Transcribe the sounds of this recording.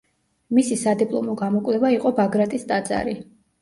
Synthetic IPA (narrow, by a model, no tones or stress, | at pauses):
misisad̪ipʼlˠɔmɔɡamɔkʼwlɛvaiqʼɔbaɡɾat̪ʼist̪ʼad̪zʼa̰ɾi